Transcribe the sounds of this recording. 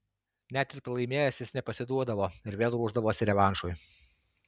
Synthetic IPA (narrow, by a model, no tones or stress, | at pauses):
nʲæt̪ʲɪɾpɾɐlˠɐɪmʲeːjɛsʲɪsnʲɛpɐsʲɪd̪uɔd̪ɐʋoːɪɾʋʲeːlˠɾuːʒd̪ɐʋoːsʲɪɾʲɛʋɑˑnʃʊj